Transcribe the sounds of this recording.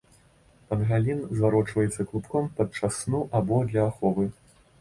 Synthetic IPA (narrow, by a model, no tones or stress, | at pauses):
pɐnɣalʲinzvaɾɔt͡ʂvɐjɛt̪sːɐklˠupkɔmpɐt͡ʂasnuʔabɔd̪lʲɐːxɔvɨ